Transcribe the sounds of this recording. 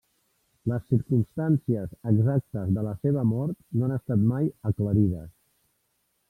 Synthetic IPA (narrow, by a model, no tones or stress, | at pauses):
ləsːiɾkumst̪ansiəzəɡzak̚t̪əzðələseβəmɔɾt̪noanəst̪at̪majəkləɾiðə̰s